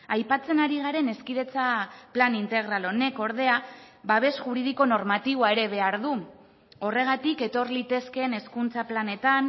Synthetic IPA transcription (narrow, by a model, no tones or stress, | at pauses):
ajpat͡se̞naɾiɣ̞aɾe̞ne̞skið̞e̞t͡saplanint̪e̞ɣ̞ɾalo̞ne̞ko̞ɾð̞e̞a | βaβe̞sʝuɾið̞iko̞no̞ɾmat̪iβoae̞ɾe̞βe̞aɾðu | o̞re̞ɣ̞at̪ike̞t̪o̞rlit̪e̞ske̞ne̞skunt͡saplane̞t̪an